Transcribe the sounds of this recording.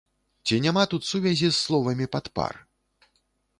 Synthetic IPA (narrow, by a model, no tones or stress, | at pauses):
t͡sʲinʲamat̪ut̪suvʲɛzʲisːlˠɔvɐmʲipat̪pa̰r